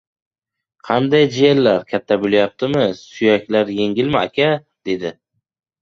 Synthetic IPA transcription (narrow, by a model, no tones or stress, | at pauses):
qʰɑnd̪ajd͡ʒijelːaɾkʲʰat̪ʰːabʊlˠjap̚t̪ʰɪmɪsʊjakʲlaɾje̞ŋʲɪlmɪakʲʰa | d̪̥e̞d̪ɪ